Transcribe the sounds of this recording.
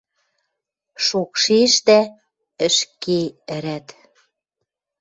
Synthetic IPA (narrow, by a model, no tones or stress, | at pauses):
ʃokʃeʃt̪æ | ə̆ʃkeə̆ɾæt̪